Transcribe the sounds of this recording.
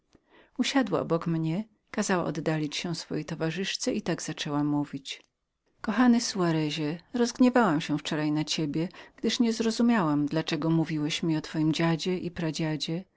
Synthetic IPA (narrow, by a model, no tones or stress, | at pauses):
uɕad̪wa̰ʔɔ̰bɔkmɲɛ | kazawa̰ʔɔd̪ːalʲit͡ɕɕɛ̃sfɔ̰jɛt̪ɔvaʐɘʂt̪sɛit̪aɡz̥at͡ʂɛwamuvʲit͡ɕ | kɔxanɘsuaɾɛʑɛɾɔzɡɲɛvawamɕɛft͡ʂɔɾajnat͡ɕebʲjɛɡ̥d̪ɘʂɲɛzɾɔzumʲawamd̪lat͡ʂɛɡɔmuvʲiwɛɕmʲiɔt̪fɔjimd͡ʑad͡ʑɛʔipɾad͡ʑad͡ʑɛ